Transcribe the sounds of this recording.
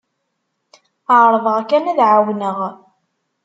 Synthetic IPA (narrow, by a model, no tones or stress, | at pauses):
əʕɾˤðˤəʁækænæðʕawnəʁ